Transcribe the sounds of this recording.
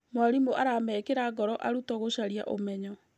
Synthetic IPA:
mwaɾimoʔaɾamɛkeɾaɡɔɾɔʔaɾutɔɣoɕaɾia̰ʔomɛɲɔ

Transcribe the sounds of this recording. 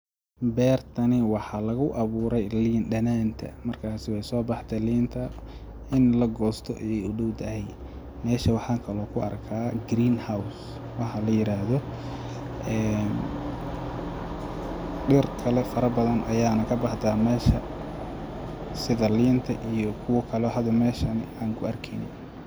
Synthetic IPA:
bɛːrt̪ʰɐnɪwɑħɑlɐɣʊʔɑβuːɾɛjliːnɖɐnaːnt̪ʰɐ̰mɐrkʰaːsɪwɛjsɔːbɑħt̪ʰɛliːnt̪ʰɐ | ɪnlɐɡɔːst̪ʰɔ̰ʔɛjɛjʊɖɔwd̪ɐɦɛj | mɛːʃɐwɑħɑːŋkʰɐlɔːkʰʊɐ̰rkʰaːɡɾiːnhaws | wɑħɑlɐjɪɾaːɦðɔ | ʔɛːn | ɖɪrkʰɐlɛfɐɾɐbɐðɐnʔɐjaːnɐkʰɐbɑħt̪aːmɛːʃɐ | sɪðɐliːnt̪ʰɐʔijɔkʰʊwɐkʰɐlɛɦɐd̪ɐmɛːʃɐnɪaːŋkʰʊɐrkʰɛ̰nɪ̰j

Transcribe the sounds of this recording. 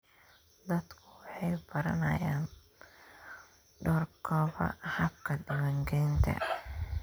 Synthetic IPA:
d̪ɐd̪kʰʊwɑħɑjbɐɾɐnɐjaːn | ɖɔːrkʰɔːβɐ̰hɐbkʰɐd̪ɪmɐŋɡɛjnt̪ʰɐ̰

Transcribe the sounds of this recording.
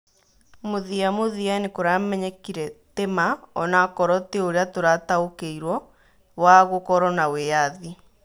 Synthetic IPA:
moðiamoðianekoɾamɛɲɛkiɾɛtemaɔnakɔɾɔteoɾeatoɾataokeiɾwɔ | waɣokɔɾɔnawejaði

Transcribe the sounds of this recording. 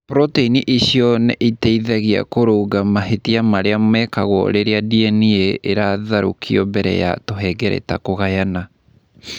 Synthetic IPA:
pɾɔteiniʔiɕiɔnɛʔiteiðɛɣia̰koɾoːɡamaɦetiamaɾeamɛkaɣɔ̰ɾeɾeadiɛnieʔeɾaðaɾṵkʰiɔbɛɾɛ̰ja̰toɦɛɡɛɾḛta̰koɣajana

